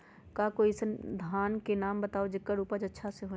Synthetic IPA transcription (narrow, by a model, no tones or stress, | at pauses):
kakoːisd̪ʱaːnkenaːmbət̪aːod͡ʒɪkːaɾuːpəd͡ʒɐtːʃʰaseɦo